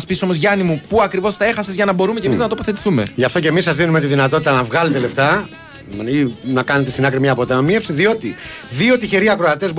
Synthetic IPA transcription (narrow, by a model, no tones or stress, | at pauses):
spiso̞mozʝɐnimupuɐkɾivo̞st̪ɐe̞xɐsezʝɐnɐbo̞ɾumecemiznɐt̪o̞po̞θe̞t̪i̥θume̞̰ʝɐft̪o̞ce̞misːɐzðinumet̪iðinɐt̪o̞t̪it̪ɐnɐvɣɐlet̪ele̞ft̪ɐ | inɐkɐnet̪esinɐkɾimɲɐpot̪ɐmie̞fsiðio̞t̪iðio̞t̪içe̞ɾiɐkɾo̞ɐt̪e̞zb